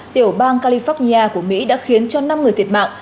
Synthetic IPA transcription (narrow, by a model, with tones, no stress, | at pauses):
t̪i˧˩əwɓaː˧nkaː˧li˧fɔ˦˥t̚ni˧aː˧ku˧˩əmḭ˧˥ɗa̰ː˧˥xi˨˦ənt͡ɕɔ˧na˧mŋɨ˨˩əjt̪ʰi˨˩ət̚ma̰ː˧˨ʔ